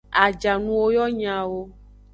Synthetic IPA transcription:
a˨d͡ʒa˨nũ˨wo˦jɔ˦ɲã˨wo˦

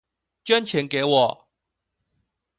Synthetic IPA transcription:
t͡ɕɥɛ˦nt͡ɕʰjɛ˨˦nke˨˦wɔ˨˩

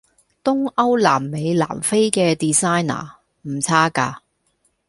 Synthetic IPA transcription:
t̪ʊ˥ŋɐ˥wla̰ː˨˩mːe˨˧jla̰ː˨˩mfe˥jkɛː˧t̪iː˨saː˥jna̰ː˨˩ | m̩˨˩t͡sʰaː˥kaː˧

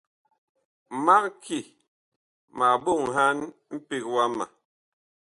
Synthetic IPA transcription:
ma˦k̚ki˦˨ | ma˨bo˦˨ŋɦa˦nm̩˦pi˦k̚wa˦ma̰˨

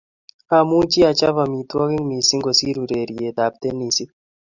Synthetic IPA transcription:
a˦˨muː˦t͡ʃi˦a˨t͡ʃa˦va˨mi˨t̪ɔ˦ɣi˦ŋmi˨si˦ŋɡo˨si˦ɾu˨ɾe˨ɾi˨e˨d̪a˨p̚t̪e˦ni˨si˦

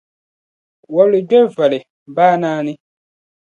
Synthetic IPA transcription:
wɔ˨li˨dɛ˦vɛ˨lɪ˨ | baː˦nãː˦nɪ̃˦

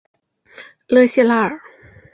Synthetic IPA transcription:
lɤ˧˩jsi˥˨la˥˧˩

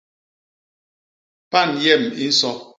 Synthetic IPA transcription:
pa˦˨njɛ˦˨mḭ˦n̩˦sɔ˦

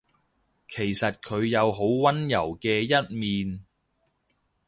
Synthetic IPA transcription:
kʰe˨˩jsɐ˨t̚kʰɵ˨˧ɥjɐ˨˧wɦo˨˥wwɐ˥njɐ˨˩wkɛː˧jɐ˥t̚miː˨n

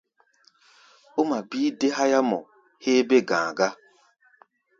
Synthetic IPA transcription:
o˦ma˨biː˦de˦ɦa˦ja˦mɔ˨ | he˦be˦ɡãː˨ɡa˦

